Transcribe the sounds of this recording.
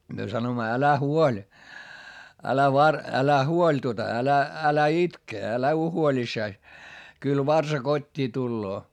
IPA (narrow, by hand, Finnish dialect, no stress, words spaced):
myø sɑnoimːɑ ælæ huolʲ ælæ ʋɑr ælæ huolʲ tuotɑ ælæ ælæ itke ælæ uo huolʲisːɑis kyl ʋɑrsɑ kotʲːiː tulːoː